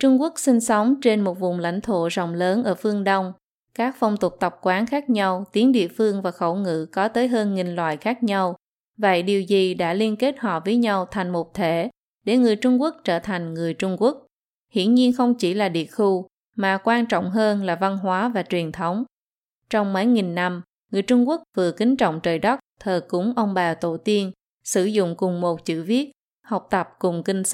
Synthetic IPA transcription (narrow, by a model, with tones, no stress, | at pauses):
t͡ɕʊ˧ŋ͡mku˦˥ək̚si˧ŋ̟sɔ˨˦wŋ͡mt͡ɕe˧nmo˨˩t̚vʊ˨˩ŋ͡mla̰˧˥jŋ̟t̪ʰo̰˧˨zə̰˨˩wŋ͡mləː˨˦nʔəː˧˩fɨ˧əŋɗə˧wŋ͡m | kaː˦˥k̚fə˧wŋ͡mt̪u˨˩ək̚t̪ə˨˩p̚kwaː˨˦nxaː˦˥k̚ɲa˧wt̪i˨˦ənɗḭ˧˨əfɨ˧əŋvaː˨˩xə˧˩wŋɨ̰˧˨kɔ˨˦t̪əː˨˦jɦəː˧nŋï˨˩ŋ̟lwa̰ː˧˨jxaː˦˥k̚ɲa˧w | və̰˧˨jɗi˨˩əwzi˨˩ɗa̰ː˧˥li˧ənke˦˥t̚hɔ̰˧˨vəː˨˦jɲa˧wt̪ʰa˨˩jŋ̟mo˨˩p̚t̪ʰe˧˩ | ɗe˧˩ŋɨ˨˩əjt͡ɕʊ˧ŋ͡mku˦˥ək̚t͡ɕəː˧˩t̪ʰa˨˩jŋ̟ŋɨ˨˩əjt͡ɕʊ˧ŋ͡mku˦˥ək̚ | hḭ˧˥ənɲi˧ənxə˧wŋ͡mt͡ɕi˧˩laː˨˩ɗḭ˧˨əxu˧ | maː˨˩kwaː˧nt͡ɕɔ̰˧˨wŋ͡mɦəː˧nlaː˨˩va˧nɦwaː˨˦vaː˨˩t͡ɕwi˨˩ənt̪ʰə˨˦wŋ͡m | t͡ɕɔ˧wŋ͡mmə˨˦jŋi˨˩nːa˧m | ŋɨ˨˩əjt͡ɕʊ˧ŋ͡mku˦˥ək̚vɨ˨˩əkï˨˦ŋ̟t͡ɕɔ̰˧˨wŋ͡mt͡ɕəː˨˩jɗə˦˥k͡p̚t̪ʰəː˨˩kʊ̰˨˥ŋ͡mʔə˧wŋ͡mɓaː˨˩t̪o̰˧˩t̪i˧ən | sɨ˧˩zʊ̰˧˨ŋ͡mkʊ˨˩ŋ͡mmo˨˩t̚t͡ɕɨ̰˧˩vi˦˥ət̚ | hə˨˩wk͡p̚t̪ə˨˩p̚kʊ˨˩ŋ͡mki˧ŋ̟